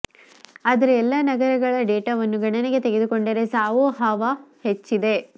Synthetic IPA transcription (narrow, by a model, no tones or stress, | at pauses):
aːd̪ɐɾeɛlːɐnɐɡɐɾɐɡɐɭɐɖeːʈaʋɐnːuɡɐɳɐneɡe̞t̪e̞ɡed̪uko̞ɳɖɐɾe̞saːʋoɦɐʋahet͡ʃːid̪e̞